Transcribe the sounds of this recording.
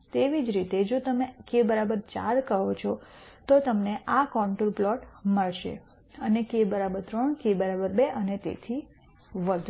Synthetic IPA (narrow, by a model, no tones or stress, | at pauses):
t̪eʋid͡ʒɾit̪ed͡ʒot̪əmekebəɾabəɾt͡ʃa̰ɾkəɦot͡ʃʰɔt̪ot̪əmneʔakɔɳʈulplɔʈməɭʃḛ | ənekebəɾabəɾt̪ɾəɳkebəɾabəɾbeʔənet̪ḛt̪ʰi | ʋəd̪ʱ